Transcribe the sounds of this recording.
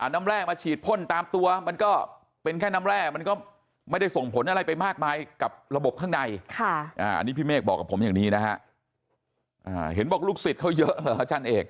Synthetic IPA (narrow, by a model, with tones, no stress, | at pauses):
ʔa˨˩naː˦˥mɾɛː˥˩k̚maː˧t͡ɕʰiː˨˩t̪̚pʰo˥˩nt̪aː˧mt̪u˧ɐma˧nkɔː˥˩ | pe˧nkʰɛː˥˩naː˦˥mɾɛː˥˩k̚ma˧nkɔː˥˩ | ma˥˩jda˥˩jso˨˩ŋpʰo˩˦nʔa˧ɾa˧jpa˧jmaː˥˩k̚maː˧jka˨˩p̚ɾa˧bo˨˩p̚kʰaː˥˩ŋda˧jkʰa˥˩ʔaː˧˩ʔa̰˧niː˦˥pʰiː˥˩meː˥˩k̚bɔː˨˩kːa˨˩pʰo˩˦mjaː˨˩ŋniː˦˥na˦˥kʰa˦˥ʔ | ʔaː˧˩ɦe˩˦nbɔː˨˩k̚luː˥˩k̚si˨˩t̪̚kʰa˦˥wjɤ˦˥ʔlɤː˨˩˦a˦˩t͡ɕʰa˦˥˩nʔeː˧ŋ̚